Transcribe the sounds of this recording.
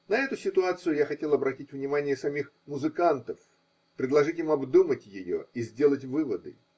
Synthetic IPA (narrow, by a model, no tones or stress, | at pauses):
nɐɛt̪ʊsʲɪt̪ʊat̪sɨjʊjaxɐtʲelˠɐbɾɐtʲitʲvnʲɪmanʲɪjəsɐmʲix | mʊzɨkant̪əf | pɾʲɪd̪lˠɐʐɨtʲimɐbd̪umətʲjɪjo̰izʲdʲe̞lˠətʲvɨvəd̪ɨ̰